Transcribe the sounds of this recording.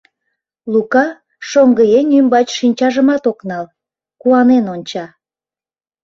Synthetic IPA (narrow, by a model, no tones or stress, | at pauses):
lukɑ | ʃoŋɡəjenymbɑt͡ɕʃinʲt͡ɕɑʒəmɑt̪oknɑl | kuɑnenonʲt͡ɕɑ